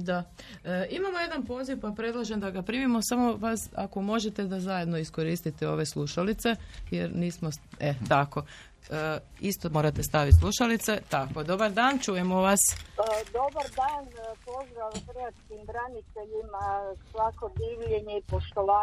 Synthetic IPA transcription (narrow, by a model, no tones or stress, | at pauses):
d̪a | imamoje̞d̪anpo̞ziʋpapɾe̞d̪lˠaʒe̞md̪aɡapɾiːmimo̞samo̞ʋasa̰ko̞mo̞ʒet̪e̞d̪azaje̞d̪noisko̞ɾiːst̪it̪eo̞ʋe̞slˠuʃalit̪se̞jeɾniːsmo̞et̪ako̞ | ist̪omo̞ːɾat̪e̞st̪aʋit̪slˠuʃalit̪se̞t̪ako̞d̪o̞baɾd̪aːnt͡ʃujemoʋasd̪obaɾd̪aːnpozd̪ɾaʋkɾiat̪skimbɾanit̪eʎimasʋakod̪iːʋʎeɲeipoʃt̪olaː